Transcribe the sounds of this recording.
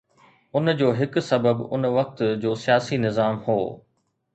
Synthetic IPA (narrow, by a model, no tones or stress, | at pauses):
ʊnd͡ʑoːɦɪksɐbəbʊ̰nʋɐk̚t̪d͡ʑoːsijaːsinɪzaːmho̰ː